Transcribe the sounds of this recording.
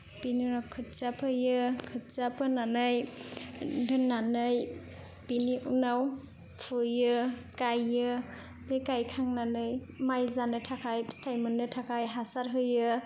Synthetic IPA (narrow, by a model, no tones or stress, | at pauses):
pinunawkʰɯt̚sapʰɯjɯkʰɯt̚sapʰɯnanɯj | dɯnːanɯj | piniʔunaw | pʰujɯkajɯ | bekajkʰaŋnanɯj | majzanɯtʰakʰajstʰajmɯnɯtʰakʰajɦasaɾɦɯjɯ